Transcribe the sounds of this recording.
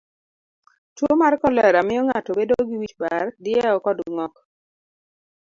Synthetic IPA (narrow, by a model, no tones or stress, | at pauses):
twomarkɔlɛɾamɪjɔŋatobedoɡiwit͡ʃbardɪɛɔkɔdŋɔk